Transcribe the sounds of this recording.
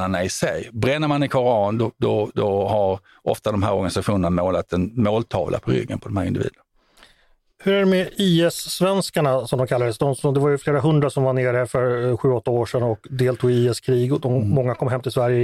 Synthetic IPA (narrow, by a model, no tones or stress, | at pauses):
əɳaɪsɛjbɾɛnːəɾmanɪkʰɔɾɑːnd̪ɔd̪ɔd̪ɔɦaɾ | ɔ̰ft̪ad̪ɔmɦæːɾɔɾɡanɪsaɧuːnənamoːlat̪ɛnmoːlt̪ʰɑ̰ːvla̰pʰɔɾʏ̰ɡːə̰npʰɔd̪ɔmhæːɾɪnd̪ɪvḭːd̪ən | hɵɾæɖɛmɛiːɛsːvɛnskaɳasɔmd̪ɔmkʰalːad̪əst̪ɔnsɔnd̪ɛvaɾjɵfleːɾaɦɵnd̪ɾasɔmvaneːɾæfœɾɧʉ̟ːɔt̪ːaoːʂɛnɔkd̪eːlt̪ʰuːɡɪiːɛskʰɾiːɡɔd̪ɔmmɔŋːakʰɔmːɦɛmt̪ɪsvæɾjə